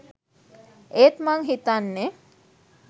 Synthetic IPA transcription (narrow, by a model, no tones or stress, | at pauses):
eːt̪maŋɦit̪anːe